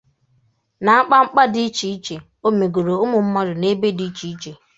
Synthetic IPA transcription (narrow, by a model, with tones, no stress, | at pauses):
na˨˦k͡pa˦ŋ͡m̩˦k͡pa˦dɪ˦i˦t͡ʃi˨i˦t͡ʃe˨ | o˦me˨ɡo˨ɾo˨ʊ˦mʊ˨m̩˦mɔ˦dʊ˨ne˦be˦di˨˦i˦t͡ʃi˨i˦t͡ʃe˨